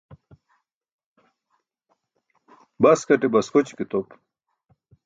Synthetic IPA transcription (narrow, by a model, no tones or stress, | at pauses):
bɐskɐʈebɐskot͡ɕkit̪op